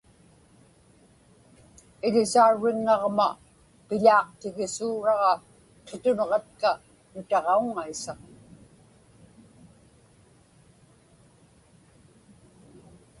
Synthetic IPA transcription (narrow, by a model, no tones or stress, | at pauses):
ɪʎɪsauɻːɪŋːɑʁma | pɪʎɑːqt̪ɪɣɪsuːɻɑʁɑ | qʰet̪ʊnʁɑt̪̚ka | nʊt̪ɑʁɑuŋaisa